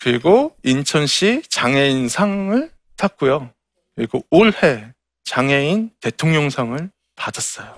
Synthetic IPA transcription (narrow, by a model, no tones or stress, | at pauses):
kɯɾiɡoint͡ɕʰʌnɕʰit͡ɕaŋe̞insʰaŋɯɭ | tʰak̚k͈ujo | kɯɾiɡooɭhe̞ | t͡ɕaŋe̞inte̞tʰoŋɲʌŋsʰaŋɯɭ | padas͈ʌjo